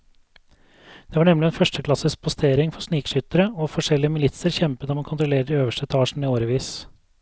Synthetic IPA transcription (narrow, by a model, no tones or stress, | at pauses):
d̪̥eːʋɑːɳɛmlɪɛnfœʂʈəkʰlɑsəsk̚pʰʊst̪ʰeːɾɪŋfɔsniːkʂʏt̪əɾəɔfɔʂɛlːɪəmɪlɪt̪səɾçɛmpət̪ɑːmɑnkʰʊnt̪ɾʊleːɾəɖ̪ɪøːʋəʂʈɛt̪ʰɑːʂn̩iːoːɾəʋiːs